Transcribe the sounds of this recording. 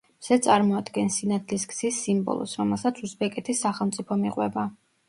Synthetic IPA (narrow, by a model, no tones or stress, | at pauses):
mz̥ɛt̪sʼaɾmɔad̪ɡɛnsinat̪ʰliskʰʼz̥isːimbɔ̰lˠɔ̰sɾɔmɛlˠsat̪sʰusbɛkʼɛt̪ʰisːaχɛlˠmt̪sʼipʰɔmiqʼwɛ̰ba